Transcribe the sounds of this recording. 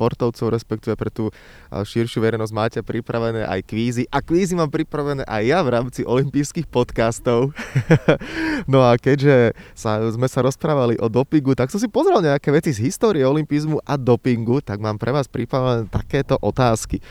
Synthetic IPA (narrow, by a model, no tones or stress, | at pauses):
pɔɾt̪ɔʊt͡sɔʊɾɛspɛkt̪iʋɛpɾɛt̪uː | ʃiɾʃjuːʋɛɾɛɪjnɔzɟmaːcɛpɾipɾaʋɛnɛːʔa̰jkʋiːziʔakʋiːzimaːmpɾipɾaʋɛnɛːʔajːaʋɾaːmt͡siʔɔlimpiːskixpɔt̪kast̪ɔʊ | nɔakɛɟʒɛsazmɛsaɾɔspɾaːʋaliʔɔd̪ɔpiŋɡut̪aksɔsipɔzɾɛlɲɛakɛːʋɛt͡sizɦist̪ɔːɾiɛɔlimpizmuʔad̪ɔpiŋɡut̪aɡmaːmpɾʔɛʋaːspɾipɾaʋɛnɛːt̪akɛːt̪ɔʔɔt̪aːski